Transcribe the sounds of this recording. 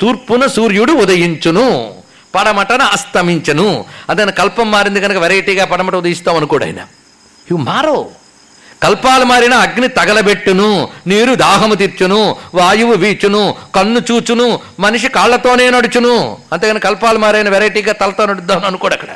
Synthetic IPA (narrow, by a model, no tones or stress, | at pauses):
t̪uːɾpunɐsuːɾjuɽuːd̪ɐjiɲt͡ʃunu | pɐɽɐmɐʈɐnɐɐst̪ɐmiɲt͡ʃɐnuɐnd̪ɐnːikɐlpɐmːaːɾind̪ukɐnɐkɐʋɛɾɐjiʈiːɡaːpɐɽɐmɐʈɐud̪ɐjist̪aːmɐnukɔːɽɐ̰jnɐ̰ | iʋɐmaːɾoː | kɐlpaːlumaːɾinɐːɡnit̪ɐɡɐlɐbe̞ʈːununiːɾud̪ʱaːɦɐmut̪̬iɾt͡ʃunuʋaːjuʋuʋiːt͡ʃunukɐnːut͡ʃuːt͡ʃunu | mɐniʂ̬ikaːɭːɐt̪o̞ːne̞ːnɐɽut͡ʃunuɐnt̪eɡkɐnɐkɐkɐlpaːlumaːɾɐːjnɐʋɛɾɐjʈiːɡaːt̪ɐlɐt̪oːnɐɽud̪ːaːnɐnukɔːɽɐkːɐɽɐ̰